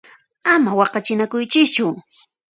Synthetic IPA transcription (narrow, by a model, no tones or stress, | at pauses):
amawɑqɑt͡ʃɪnakʊjt͡ʃɪkt͡ʃʊ